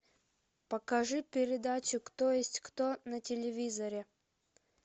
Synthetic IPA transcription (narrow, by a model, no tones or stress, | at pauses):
pəkɐʐɨpʲɪɾʲɪd̪at͡ɕʊkt̪ojesʲtʲkt̪onətʲɪlʲɪvʲizəɾʲɪ